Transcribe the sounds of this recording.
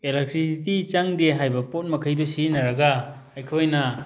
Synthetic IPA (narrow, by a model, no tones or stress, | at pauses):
elek̚tɾisitit͡ʃaŋdeɦajbɐpot̚mɐkʰɐjdusinɐɾɐɡɐ | ɐjkʰojnɐ